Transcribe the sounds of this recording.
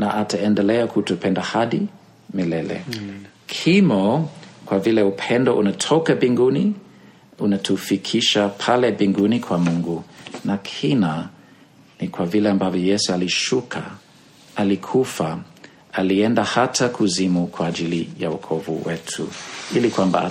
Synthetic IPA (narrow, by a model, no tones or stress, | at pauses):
naʔataɛndɛlɛakʰutupʰɛndahaɗi | milɛlɛ̰ | kʰimɔkwavilɛupʰɛndɔʔunatʰɔkabiŋɡuni | unatʰufikʰiʃapʰalɛbiŋɡunikʰwamuŋɡunakʰina | nikwavilɛambavjɔjɛsualiʃukʰa̰ | alikʰufa | aliɛndahatʰakʰuzimukʰwaːd͡ʒilija̰ṵkʰɔvṵwɛtʰṵilikwamba̰